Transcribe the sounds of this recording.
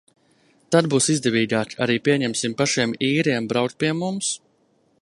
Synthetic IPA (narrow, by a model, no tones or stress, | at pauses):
t̪ad̪̚buːsizd̪ɛvʲiːɡaːkaɾiːpʲiɛɲɛmsimpaʃiɛmiːɾiɛmbɾawkt̪piɛmums